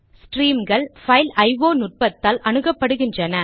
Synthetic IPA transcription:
sʈɾiːmɡɐɭfɐɪlɐɪʋoːnʊʈ̚pɐt̪ːaːlɐnɯɣɐpːɐɽɯɣɪndrɐnɐ

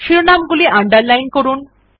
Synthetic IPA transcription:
ʃiɾonamɡuliʔaɳɖəɾlajnkoɾun

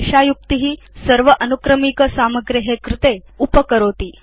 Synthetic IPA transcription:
ʃajuk̚t̪iɦiː | səɾʋəʔɐnukɾəmikəsaməɡɾiɦekɾɪt̪e | upəkəɾoːt̪iː

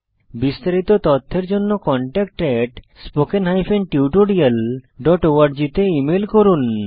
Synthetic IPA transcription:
bist̪aɾit̪ot̪ɔt̪ʰːeɾd͡ʑonːokɔɳʈɛk̚ʈeʈ | spokenɦajfʰenʈiuʈoɽialɖɔʈoaɾd͡ʑit̪eimelkoɾun

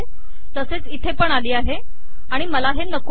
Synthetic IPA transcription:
t̪əset͡sit̪ʰepəɳaliːaɦe | aɽ̃iməlaɦenək

